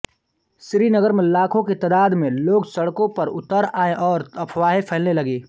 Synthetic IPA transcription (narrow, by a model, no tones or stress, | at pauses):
sɾiːnəɡəɾmẽlaːkʰõket̪ɐd̪aːd̪mẽloːɡsɐɽkõpɐɾʊt̪əɾaːeʔɔːɾɐpʰʋaːɦepʰɛːlnelɐɡeː